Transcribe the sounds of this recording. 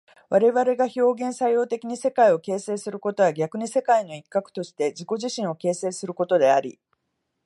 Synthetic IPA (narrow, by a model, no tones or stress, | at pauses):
βaɾe̞βaɾe̞ɡaço̞ːɡẽ̞sajo̞ːt̪e̞kʲiɲ̟ise̞kaio̞ke̞ːse̞ːsɨɾɯ̟ko̞t̪o̞βaɡʲakɯ̟ɲ̟ise̞kaino̞ikːakɯ̟̥t̪o̞ɕi̥t̪e̞d͡ʑiko̞ʑiɕĩɰ̃o̞ke̞ːse̞ːsɨɾɯ̟ko̞t̪o̞d̪e̞aɾʲḭ